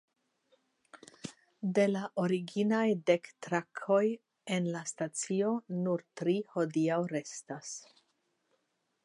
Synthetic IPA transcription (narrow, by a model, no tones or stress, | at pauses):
de̞laʔoɾiɡinajde̞ktɾakʰo̞j | e̞nlastat͡sio̞nuɾtɾiho̞diawɾe̞stas